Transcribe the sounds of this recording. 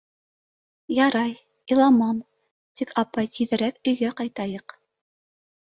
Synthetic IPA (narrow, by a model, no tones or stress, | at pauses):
jɑɾɑj | ilˠɑmɑm | t̪ikɑpɑjt̪iðɘ̆ɾækɵ̆jɡæqɑjt̪ɑjɤq